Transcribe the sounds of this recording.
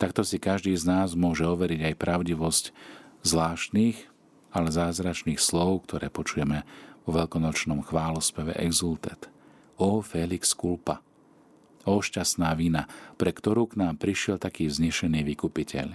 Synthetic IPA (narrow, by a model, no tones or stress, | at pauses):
t̪akt̪ɔsikaʒd̪iːznaːzmʊɔʒɛɔʋɛɾiɟajpɾʔaʊɟiʋɔsczlaːʃt̪niːɣ | alɛzaːzɾat͡ʃniːxslɔʊkt̪ʰɔɾɛ̰ːpɔt͡ʃujɛmɛʋɔʋɛlkɔnɔt͡ʃnɔmxʋaːlɔspɛʋɛ̰ʔɛɡzult̪ɛ̰t̪ | ɔfɛlikskulpa̰ | ɔʃcast̪naːʋinapɾɛkt̪ɔɾuːknaːmpɾiʃɪɛlt̪akiːvzɲɛʃɛniːʋikupicʰɛ̰ʎ